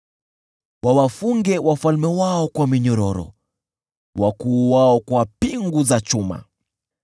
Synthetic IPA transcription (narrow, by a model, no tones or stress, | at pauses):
wawafuŋɡɛwafalmɛwaɔkwamiɲɔɾɔɾɔ̰ | wakuːwaɔkwapiŋɡuzat͡ʃuma̰